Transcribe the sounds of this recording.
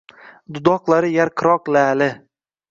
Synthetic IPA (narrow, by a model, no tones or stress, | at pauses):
d̪ʊd̪ɒqlˠaɾɪjaɾqʰɨɾɒqlalɪ